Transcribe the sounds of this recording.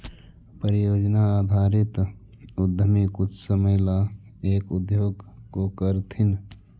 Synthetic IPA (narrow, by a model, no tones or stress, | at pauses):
pəɾijoːd͡ʒnaːd̪ʱaːɾɪt̪ | ud̪ʱəmikʊt͡ʃʰsəməjla | eːkud̪joːɡkokəɾt̪ʰin